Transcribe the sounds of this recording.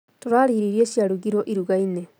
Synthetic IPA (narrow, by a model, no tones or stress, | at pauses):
toɾaːɾiɾiɾieɕjaɾuɣiɾoʔiɾuɣaine